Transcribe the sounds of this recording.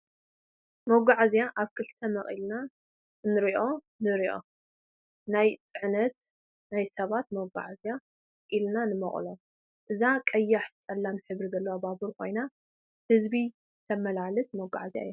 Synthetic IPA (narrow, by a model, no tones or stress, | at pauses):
moɡaʕzijaʔaβkʰɨlt̪ʰɐmɐχʼḭlna | nɨɾiʔo̞ | nɨɾiʔo̞̰ | najt͡sʼɨʕnɐt̪̚ | najsɐβat̪mɐɡʷa̰ʕazja | ʔilnanɨmɐχʼlo | ʔɨzakʼɐjːaħt͡sʼɐlːanɨħɨβɾizɐlːowabaβɨɾkʰo̞̰jna | hɨzbi | t̪ʰɐmɐlalɨsmɐɡa̰ʕazija̰jːu